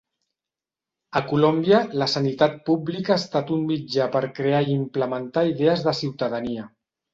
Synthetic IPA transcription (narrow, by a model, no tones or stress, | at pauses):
əkulombiələsənit̪at̪̚publikaːst̪at̪ummid͡ʒapəɾkɾeaiimpləmənt̪aiðeəzðəsiwt̪əðəniə